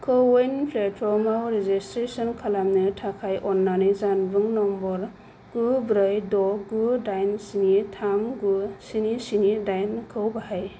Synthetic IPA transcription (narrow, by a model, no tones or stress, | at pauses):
kʰɯwejnpʰletfɔmawɾezistɾesɔnkʰalamnɯtʰakʰajʔɔnːanizanbɯŋnɔmbɔɾ | ɡ̥ubɾɯjdɔɡudajnsinitʰamɡusinisinidajnkʰɯwbahaj